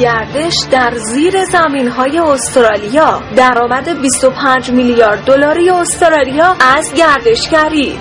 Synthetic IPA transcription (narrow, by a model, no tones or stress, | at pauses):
æɾd̪e̞ʃd̪æɾziːɾe̞zæmiːnɦɒːje̞ost̪ɾɒːlijɒːd̪æɾɒːmæd̪e̞bist̪o̞pʰænd͡ʒmiljɒːɾd̪ːo̞lɒːɾijeost̪ɾɒːlijɒːʔæzɟæɾd̪e̞ʃcæɾiː